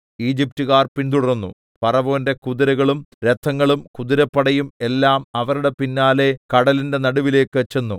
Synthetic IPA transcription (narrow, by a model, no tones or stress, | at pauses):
iːd͡ʑip̚tuɣaːrpind̪uɽɐrnːṵ | pɐrɐʋo̞ːnde̞kuðiɾɐɣɐɭumɾe̞t̪ʰːɐŋːɐɭumkuðiɾɐpːɐɽɐjume̞lːaːmɐʋɐɾuɽe̞pinːaːle̞kɐɽɐlinde̞nɐɽuʋile̞ːkːɨʋet͡ɕːenːu